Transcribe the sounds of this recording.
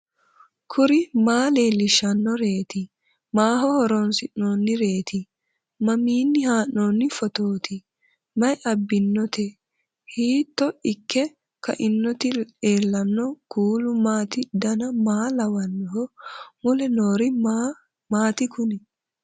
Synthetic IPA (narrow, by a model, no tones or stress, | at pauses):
kʰʊɾɪmaːleːlɪʃːɐnːɔɾeːt̪ɪ | maːɦɔhɔɾɔnsɪnːoːnːɪɾe̞ːt̪ɪ | mɐmiːnːɪhaːnːoːnːɪfɔt̪oːt̪ɪ | mɐjɐbːɪnːɔt̪ɛ | hiːt̪ːɔɪkːɛ | kʰɐ̰ʔɪnːɔt̪ɪeːlːɐnːɔkuːlʊmaːt̪ɪd̪ɐnɐmaːlɐwɐnːɦɔmʊlɛnoːɾɪ | maːt̪ɪkʊnɛ